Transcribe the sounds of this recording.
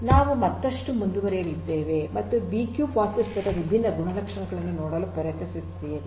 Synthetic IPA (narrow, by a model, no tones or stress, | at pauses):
naːʋumɐt̪ːɐʂʈumund̪uʋɐɾɛjɐlid̪ːeːʋe̞mɐt̪ːubiːkjuːpaːsɐspɐt̪ɐʋibʱinːɐɡuɳɐlɐkʂɐɳɐɡɐɭɐnːunoːɽɐːlupɐɾjɐt̪ɐsisijɐe